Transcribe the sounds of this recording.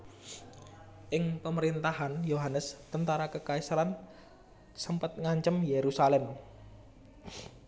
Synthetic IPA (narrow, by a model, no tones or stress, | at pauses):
ʔɪŋpəməɾint̪aɦanjoɦanəst̪ənt̪aɾakəkaisɾan | səmpət̪̚ŋaɲt͡ʃəmjeɾusalɛm